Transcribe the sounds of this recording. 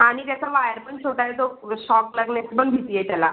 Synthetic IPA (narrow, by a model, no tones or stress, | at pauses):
aɽ̃it̪jat͡saʋajəɾpəɳt͡sʰoʈajt̪oɕɔkləɡnespəɳbʱit̪ijet̪jala